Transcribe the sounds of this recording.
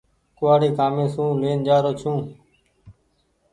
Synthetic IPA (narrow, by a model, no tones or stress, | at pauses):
kʊʋaːɽiːkaːmẽːsũːleːnd͡ʒaːɾoːt͡ʃʰũː